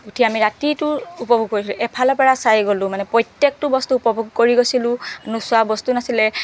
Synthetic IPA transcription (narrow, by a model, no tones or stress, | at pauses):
utʰiamiɹatitʊupɔbʱuɡ̚koɹisilʊ̃ʔɛpʰalɔpɛɹasajɡolʊ̃manɛpɹɔjtjɛk̚tʊbɔstuːpɔbʱuɡ̚koɹiɡosilʊ̃anuswabɔstunasilɛ